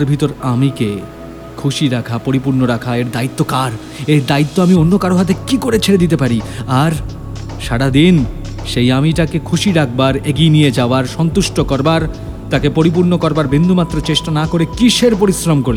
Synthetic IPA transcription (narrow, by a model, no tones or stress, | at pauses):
ɾbʱit̪oɾamike | kʰuʃiɾakʰapoɾipuɾnoɾakʰaeɾd̪ait̪ːokaɾ | eɾd̪ait̪ːoamionːokaɾoɦat̪̬ekikoɾet͡ɕʰeɾed̪it̪̬epaɾiaɾ | ʃaɽad̪in | ʃejamiʈakekʰuʃiɾak̚ʰbaɾeɡinijed͡ʑaoaɾʃɔnt̪uʃʈokɔɾbaɾ | t̪akepoɾip̬uɾnokɔɾbaɾbind̪ʱumat̪ːɾot͡ɕeʃʈanakoɾekiʃeɾpoɾisɾomkoɾle